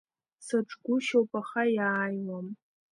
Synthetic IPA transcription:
saʈ͡ʂʼɡʷʊʃowpʼaχajaːjwam

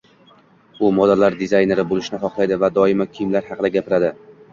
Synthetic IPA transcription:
ʊmɒd̪alaɾd̪ɪzajne̞ɾɪbolɪʃnɪχɒqlˠajd̪ɪvad̪ɒɪmakʲʰimlaɾhɑqd̪aɡʲapɪɾad̪ɪ

